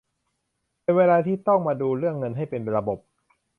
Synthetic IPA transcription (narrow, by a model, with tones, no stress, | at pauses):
pe˧nweː˧laː˧t̪ʰiː˥˩t̪ɔ˥˩ŋmaː˧duː˧ɾɯ˥˩əŋːɤ˧nɦa˥˩jpe˧nɾa˧bo˨˩p̚